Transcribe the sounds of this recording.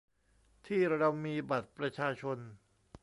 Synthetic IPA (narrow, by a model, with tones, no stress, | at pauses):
t̪ʰiː˥˩ɾa˧mmiː˧ba˨˩t̪̚pɾa˧t͡ɕʰaː˧t͡ɕʰo˧n